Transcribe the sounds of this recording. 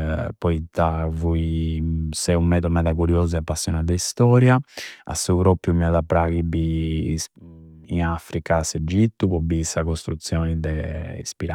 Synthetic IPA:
pɔit̪ːavui | sɛumːɛːðɔmɛðakuɾjoːzɛapːasːjɔnad̪ɛist̪ɔːɾjaa̰sːuβɾopːjumɛɔðapːɾaɣibi | nafɾikased͡ʒit̪ːupɔbisakost̪ɾut̪sːjɔːnid̪ɛḭspiɾa

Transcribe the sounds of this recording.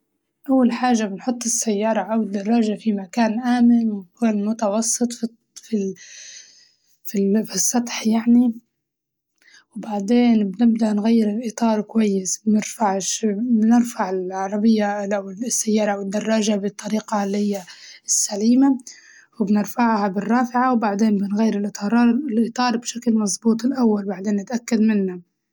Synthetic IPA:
ʔawːalħaːʒːabɪnħʊt̪ˤːɪsːajːɑːɾˤɑʔawɪd̪ːɑrˤːɑːʒafimakaːnʔaːmɪlwɪnkoːnmʊt̪ɑwɑsˤːɨt̪ˤf | fi | fifisˤːɑt̪ˤħjaʕni | wbaʕd̪eːnbnɪbd̪aʔnɣajːɪɾɪlʔɪt̪ˤɑːɾˤkwajːɪsbnɪɾfaʕʃbnɪɾfaʕɪlʕɑɾˤɑbɪjːaawɪsːajːɑːɾˤɑʔawɪd̪ːɑrˤːɑːʒabɪt̪ˤːɑɾiːqɑlːihɪjːasːaliːma | wɪbnɪɾfaʕhabɪrˤːɑːfɪʕawbaʕd̪eːnbɪnɣajːɪɾɪlʔɪt̪ˤɑɾˤɑːɾɪlʔɨt̪ˤɑːɾˤbʃaklmɑzˤbuːt̪ˤɪlʔawːalbaʕd̪eːnːɪt̪ʔakːad̪mɪnːa

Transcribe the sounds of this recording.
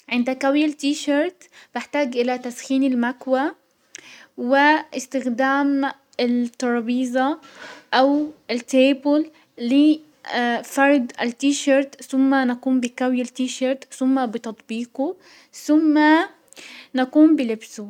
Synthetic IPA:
ʕɪnd̪akawjalt̪iːʃɑɾˤt̪b̥ɪħt̪aːɡʔɪlat̪asxiːnɪlmakwa | wɪʔɪst̪ɪxd̪aːm | ɪt̪ːɑɾˤbiːzˤɑʔawɪlt̪eːbɪlː | ɪ | fɑɾˤd̪ɪlt̪iːʃaɾˤt̪θʊmːanakuːmbɪkawjalt̪iːʃɑɾˤt̪θʊmːabɪt̪ɑt̪ˤbiːqu | θʊmːa | nakuːmbɪlɪbsu

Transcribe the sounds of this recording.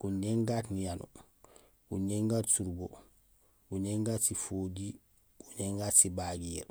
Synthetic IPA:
kuɲeŋɡatnijanu | ɡuneŋɡatsuɾɡo | ɡuɲeŋɡaːtsifoːdi | ɡuɲeŋɡaːtsibaɡiːɾ

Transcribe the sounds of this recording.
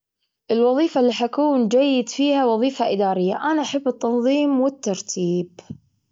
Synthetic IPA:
ʔɪlwɑðˤiːfalːiːħakuːnd͡ʒajːɪd̪fiːhawɑðˤiːfaʔɪd̪aːɾɪjːaʔanaʔaħabːɨt̪ːɑnðˤiːmwɪt̪ːɑɾˤt̪ʰiːb

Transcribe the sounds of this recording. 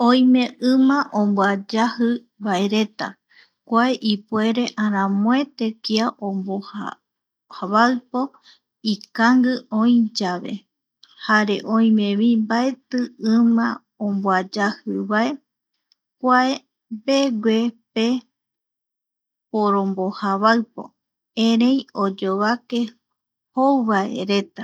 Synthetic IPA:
õj̃mẽ̞ɨ̃mãʔõmbwad͡ʒahɨ | βaeɾe̞t̪a̰ | kʷaeʔipue̞ɾe̞ʔãɾ̃ãmõet̪e̞kiaʔõmboha | haβalpo | ikaŋɡɨõj̃d͡ʒaβe̞̰ | haɾe̞ʔõj̃mẽβimbae̞t̪ɨɨ̃mã | õmboad͡ʒahɨβae | kʷae | be̞ɡwepe | poɾõ̞mbohaβaɨpo̰ | ẽɾejod͡ʒoβake̞ | howβaḛɾe̞t̪a

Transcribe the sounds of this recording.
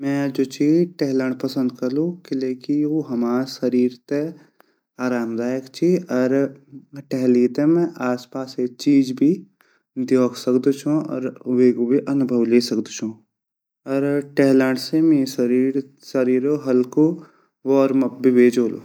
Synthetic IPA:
mɛ̃d͡ʒoːt͡ʃiːʈɛɦlə̃ɳɖpɐsə̃nd̪kɐɾlukɪleːkioɦɐmaːɾsɐɾiːɾt̪e | aːɾaːmd̪aːjəkt͡ʃʰiɔɾ | ʈɛɦliːt̪emɛ̃ʔaːspaːset͡ʃiːd͡ʒbʱi | d̪joːksɐkd̪ot͡ʃʰũɔ̰ːɾʋeːɡobʱiʔɐnʊbʱəʋleːsɐkd̪t͡ʃʰũ | ɔɾʈɛɦləɳɖsemesɐɾiɾ | sɐɾiːɾoɦɐlko | ʋɔːɾmɐp̚bʱiʋeːd͡ʒoːlo̰ː

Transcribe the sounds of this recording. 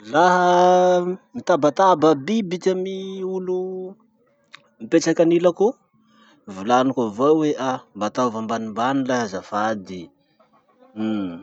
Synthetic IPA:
laɦə | mit̪abat̪ababibikamiulu | mipeʈ͡ʂakanilaku | vulanukavaweʔambat̪avambanimbanilaɦəzafad̪i

